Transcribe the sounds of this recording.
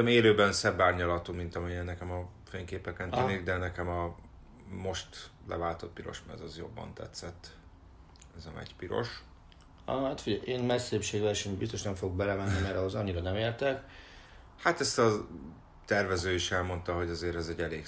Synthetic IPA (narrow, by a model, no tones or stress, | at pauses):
ɛmeːløːbɛnsɛbːaːrɲɒlɒt̪uːmint̪ɒmijɛnːɛkɛmɒ | feŋkeːpɛkɛntyniɡd̪ɛnɛkɛmɒ | mo̞ʃt̪lɛ̰vaːlt̪o̞t̪̚piɾo̞̰ʃmɛ̰zɒzjo̞̰bːɒ̰nt̪ɛ̰t̪sɛt̪ː | ɛzɒmɛ̰cpiɾo̞̰ʃ | ɒɦat̪fiɟɛʔeːnmɛsːeːpʃeːɡvɛʃɛmbist̪o̞ʃnɛɱfoɡoɡ̚bɛlɛmɛnːimɛɾɒɦozɒɲːiɾɒnɛmeːrt̪ɛk | hat̪ɛst̪ɒ | t̪ɛrvɛzøːiʃɛlmo̞nt̪ɒɦo̞ɟɒzeːɾɛzɛɟːɛleːk